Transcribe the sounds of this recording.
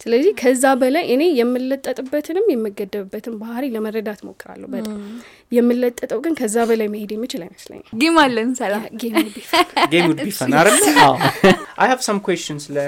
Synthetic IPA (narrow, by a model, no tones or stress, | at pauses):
sɨləzːihkʰəzːabəlajʔɨne̞jːɛmːɨlːət̪ʼːət̪ʼɨbːət̪ʰɨnɨmjɛmːɨɡəd̪ːəβɨbːət̪ʰɨnbahɾiləmərːəd̪at̪mo̞̰kʰːɨɾa̰lːə̰hubət̪a | jɛmːɨlːət̪ʼːət̪ʼəwɡɨnkʰəzːabəlajməhed̪jɛmːɨt͡ʃɪlajməslə̰ɲːɡemalːəmsəlaɡemud̪bifnaɡemud̪bifənaɾəlːəawʔajhav̥sɐ̃mkʰwɛst͡ʃɨnslə